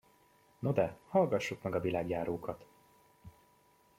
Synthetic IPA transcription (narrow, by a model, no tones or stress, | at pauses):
nod̪ɛhɒlɡɒʃːukmɛɡɒvilaːɡjaːɾoːkʰɒt̪